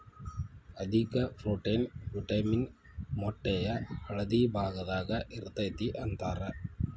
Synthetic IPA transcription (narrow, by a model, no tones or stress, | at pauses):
ɐd̪ʱikɐfluʈːɐnbuʈːɐmɪnmɔʈːɐjɐɐɻɐðibʱaːɣɐðaːɣɐʔɪɾɯt̪ːɐjt̪ːiʔɐnt̪aːɾɐ